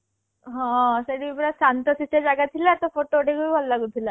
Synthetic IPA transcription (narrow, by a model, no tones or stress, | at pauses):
ɦɔ̃seɽipɾasant̪əsisad͡ʑaɡat̪ʰilat̪ɔfoʈoʈeɡuibʱalːaɡut̪ʰila